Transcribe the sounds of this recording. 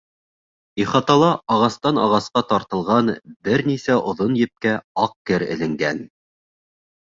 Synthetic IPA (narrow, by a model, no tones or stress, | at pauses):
iχɑt̪ɑlˠɑʔɑʁɑst̪ɑnɑʁɑsqɑt̪ɑɾt̪ɤ̆lˠʁɑnbɘɾnisæʔŏðonjɘ̆p̚kæɑq̚kɘɾɘ̰̆lɘ̆ŋɡæn